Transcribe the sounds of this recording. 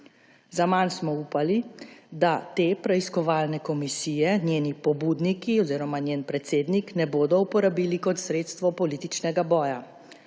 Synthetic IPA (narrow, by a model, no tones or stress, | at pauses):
zamansmɔuːpalid̪at̪eːpɾɛiskɔʋaːlnɛkɔmisiːjɛnʲjeːnipɔbuːd̪nikiɔziːɾɔmanʲjeːnpɾɛt̪seːd̪niknɛboːd̪ɔupɔɾabiːlikɔt̪sɾeːt̪st̪ʋɔpɔliːt̪it͡ʃnɛɡabɔːja